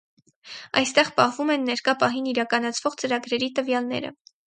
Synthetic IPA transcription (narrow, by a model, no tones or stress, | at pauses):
ɑ̰jst̪ɛʁpɑhvumɛnːɛɾkɑpɑɦiniɾɑkɑnɑt͡sʰv̥ɔʁt͡səɾɑɡɾɛɾit̪əvjɑlnɛ̰ɾə̰